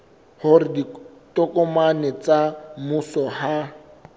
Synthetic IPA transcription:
hʊrɪditɔkɔmanɛt͡samusɔha

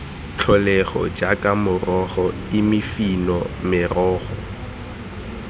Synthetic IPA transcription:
t͡ɬʰɔlɛɣɔ̰d͡ʒakʼamʊrɔɣɔ | ɪmɪfinɔmɪrɔːɣɔ

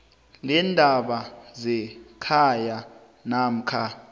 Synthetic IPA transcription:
lɛndʱaɓazɛkʰaja | nam̩kʰa

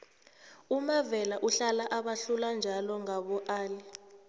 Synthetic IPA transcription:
umavɛlaʔuɬalaʔaɓaɬuland͡ʒʱalɔŋaɓɔʔaːli

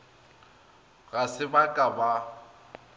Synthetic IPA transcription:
ɣasɪbakʼaba

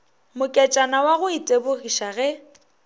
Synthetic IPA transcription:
mʊkʼɛt͡ʃʼanawaɣʊitʼebʊɣiʃaɣɛ

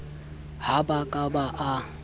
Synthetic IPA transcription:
habakʼabaʔa

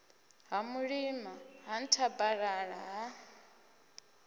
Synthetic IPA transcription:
ɦamuɺimaɦan̩tʰabaɺaɺaɦa

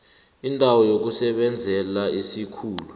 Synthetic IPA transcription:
indʼʱawɔjok̬usɛɓɛnd͡zʱɛlaisikʰuːlu

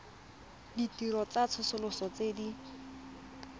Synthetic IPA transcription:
ditiɾɔt͡sat͡sʰʊsʊlʊsɔt͡sedi

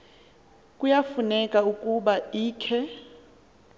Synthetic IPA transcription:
kʼujafunɛkʼaukʼuɓaiːkʰɛ

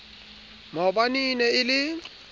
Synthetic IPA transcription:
mɔbaninɛɪlɪ

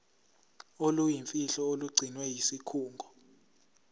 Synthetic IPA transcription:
olujiɱfiɬɔoluɡ͡ǀʱinwɛjisikʰuːŋɡʱɔ

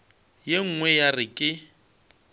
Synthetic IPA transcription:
jeŋ̩ŋwɛjarɪkʼɪ

